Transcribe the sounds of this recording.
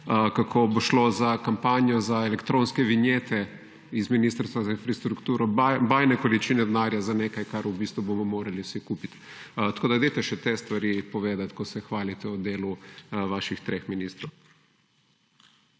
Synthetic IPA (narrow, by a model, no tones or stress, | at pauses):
kakʰoboʃlozakampaːnjɔzaelɛkt̪ɾõnskɛʋinjeːt̪ʰɛ | izminist̪əɾst̪ʋazainfɾast̪ɾukt̪uːɾɔbaːjnɛkɔlit͡ʃiːnɛd̪ɛnaːɾjazaneːkajkaɾubist̪ʋubomɔmoːɾaliwsikuːpit̪ | t̪ɐ̥koːd̪aɡd̪et̪ɛʃɛt̪est̪ʋaɾipɔʋeːd̪at̪kɔsɛxʋaːlit̪ɛɔd̪eːluʋaːʃixt̪ɾexminist̪ɾɔw